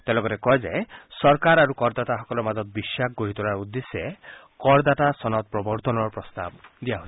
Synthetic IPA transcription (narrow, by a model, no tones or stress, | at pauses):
t̪elɔɡɔɾekɔɦed͡ʒaesɔɾkaɾaɾukɔɾd̪at̪aɦɔkɔlɔmad͡ʒɔt̪̚bisak̚ʰɡoɦit̪ɔɾaɾud̪ːese | kɔɾd̪at̪asɔnɔt̪̚pɾɔbɔɾt̪ɔnɔɾpɾɔst̪a̰bd̪iaɦoi